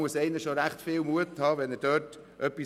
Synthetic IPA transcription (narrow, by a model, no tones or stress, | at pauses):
uəsɛɪnɪʃoɾæχtfɪːlmuəthɑːvɛnəd̥øːt | ʔœpːi